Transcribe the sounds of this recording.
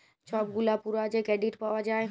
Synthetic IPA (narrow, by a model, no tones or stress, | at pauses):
t͡ʃʰɔːp̚ɡulapuɾad͡ʑekɾeːɖiʈpaʋad͡ʒaːe